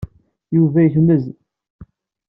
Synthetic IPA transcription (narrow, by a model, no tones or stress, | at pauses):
juvæjəθnəz